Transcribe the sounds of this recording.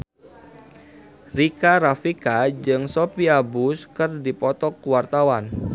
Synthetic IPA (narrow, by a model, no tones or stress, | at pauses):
rikaɾafikad͡ʒɨŋsopiabʊskərdipɔt̪ɔkuwart̪awan